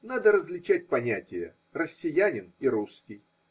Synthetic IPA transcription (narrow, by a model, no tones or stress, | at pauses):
nad̪əɾəzlʲɪt͡ɕæt̚ʲpɐnʲætʲɪjə̰ | rəsʲːɪjænʲɪniɾuskʲɪj